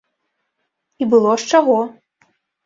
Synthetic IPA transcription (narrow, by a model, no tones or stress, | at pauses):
ibɨlˠɔʂt͡ʂaɣɔ